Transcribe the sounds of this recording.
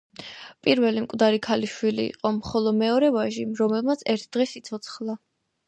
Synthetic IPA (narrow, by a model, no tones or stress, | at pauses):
pʼiɾvɛlimkʼwd̪aɾikʰaliʃwilḭːqʼɔmχɔlˠɔd̪mɛɔɾɛvaʒiɾɔmɛlˠmat̪sʰɛɾt̪ʰd̪̥ʁɛsit̪sʰɔt̪sʰχlˠa